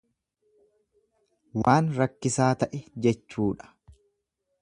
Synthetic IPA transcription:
waːnɾɐkːɪsaːt̪ɐʔɛd͡ʒɛt͡ʃːuːᶑɐ̥

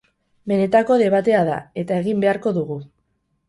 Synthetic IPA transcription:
be̞ne̞t̪ako̞ðe̞β̞at̪e̞aða̰e̞t̪ae̞ɣimbe̞aɾko̞ðuɣu

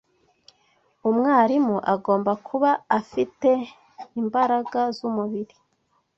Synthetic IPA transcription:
umŋaːɾimuʔaɡoːmbakʰuβaːfite̞ | imbaɾaɡazumuβiɾi

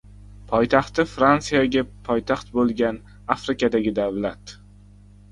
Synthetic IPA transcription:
pʰɒjt̪ʰaχt̪ɪfɾansijaɡʲapʰɒjt̪ʰaχt̪̚bolˠɡʲan | afɾɪkʲad̪aɡʲɪd̪avlat̪

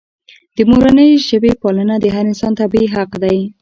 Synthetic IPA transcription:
d̪̥əmoɾanəjʒəbepɑlənad̪əɦaɾɪnsɑnt̪abiiɦaqd̪aj

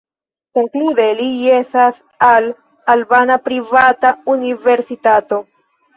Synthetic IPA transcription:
ko̞ŋklude̞liesas | al | albanapɾivataunive̞ɾsitato̞

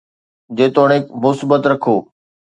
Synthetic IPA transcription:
d͡ʑeːt̪oːɽ̃eːkmʊsibət̪ɾɐkʰoː

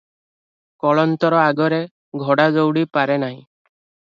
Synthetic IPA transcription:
kɔɭɔnt̪ɔɾɔaɡɔɾe | ɡʱɔɽad͡ʒowɽipaɾenaɦĩ

